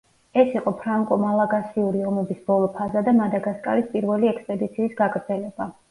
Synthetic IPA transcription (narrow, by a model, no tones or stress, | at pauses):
ɛsiqʼɔpʰɾaŋkʼɔmalˠaɡasiuɾiɔmɛbisb̥ɔlˠɔpʰazad̪amad̪aɡaskʼa̰ɾispʼiɾvɛliɛkspʼɛd̪it̪sʰiːsɡaɡɾd̪zɛlɛba